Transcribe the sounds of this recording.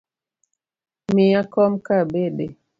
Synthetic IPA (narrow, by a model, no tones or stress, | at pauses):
miakɔmkabebe